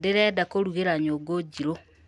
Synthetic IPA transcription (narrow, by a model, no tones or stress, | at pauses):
deɾɛdakoɾuɣeɾaɲoɡod͡ʒiɾo